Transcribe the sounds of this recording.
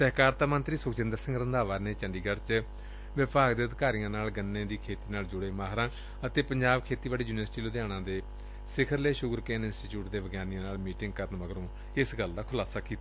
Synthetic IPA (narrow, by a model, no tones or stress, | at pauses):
sɛɦkaːɾt̪aːmə̃nt̪ɾiːsʊkt͡ʃɪ̃nd̪əɾsɪ̃ŋɡɾənd̪aːʋaːɾneːt͡ʃəɳɖiːɡəɽt͡ʃ | ʋəpaːkd̪eːəd̪kaːɾijãːnaːlɡənːẽːd̪iːkʰeːt̪iːnaːld͡ʒʊɽeːmaːɦɾãː | ət̪eːpəɲd͡ʒaːbkʰeːt̪iːbaːɽiːjuːnʋəsʈiːlʊd̪jaːɽ̃ãːd̪eː | sɪkʰəɾleːʃʊɡɾkɛ̃ːnɪnsʈiːʈjuːʈd̪eːʋəɡjaːnijãːnaːlmiːʈɪŋɡ̚kəɾənʋəɡəɾõː | ɪsɡəld̪aːkʰʊlaːsaːkiːt̪a